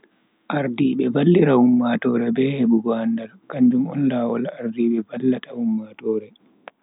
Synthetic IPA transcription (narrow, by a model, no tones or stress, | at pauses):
ʔaɾdiɓɛbalːiɾahumːatɔːɾɛbɛːhebuɡɔandalkaɲd͡ʒumɔ̰nlaːwɔlaɾdiɓɛbalːatahumːatɔːɾɛ